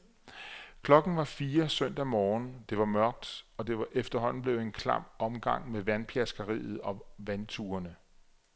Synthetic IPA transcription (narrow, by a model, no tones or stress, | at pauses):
kʰlɒ̽ɡ̥n̩ʋɑ̈fiːɐsœn̰d̥æmɒːnd̥e̝ʋɑ̈mɶɐɡ̥̚d̥ɒ̽d̥e̝ʋɑʔefd̥ɐɦɒ̽n̰n̩b̥le̝ʊe̝nkʰlɑ̰̈mɒ̽mɡ̥ɑ̈ŋ̰meʋænpʰjæsɡ̥ɐʁḭːð̞̩ˠɒ̽ʋænt͡sʰuːɐnə